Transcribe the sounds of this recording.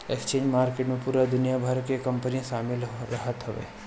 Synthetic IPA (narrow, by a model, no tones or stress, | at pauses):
ekst͡ʃẽɲd͡ʒmaɾkeʈnũpuɾad̪ʊnijabʱaɾkekəmpənĩʃamelɾəɦət̪ɦəʋḛ